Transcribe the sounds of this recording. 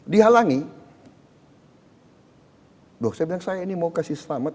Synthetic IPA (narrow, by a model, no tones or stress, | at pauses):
diɦalaŋi | boksajbilaŋsajainimaukasihsəlamat̪̚